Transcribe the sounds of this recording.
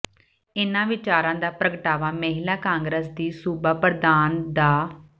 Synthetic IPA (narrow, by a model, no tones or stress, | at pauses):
ɪnãːʋɪt͡ʃaːɾãːd̪aːpɾəɡəʈaːʋaːməɦɪlaːkãːŋɡɾəsd̪iːsuːbaːpəɾd̪aːnd̪aː